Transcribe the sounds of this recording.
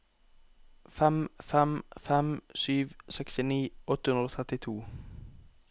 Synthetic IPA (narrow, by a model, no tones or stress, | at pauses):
fɛmfɛmfɛmsyːʋsɛkst̪ɪniːʔɔt̪hʉnɾoːt̪ʰʁɛt̪ɪt̪ʰuː